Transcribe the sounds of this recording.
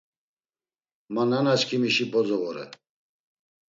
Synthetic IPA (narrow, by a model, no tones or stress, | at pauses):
mananaskʰimiʃibɔzɔvɔɾɛ̰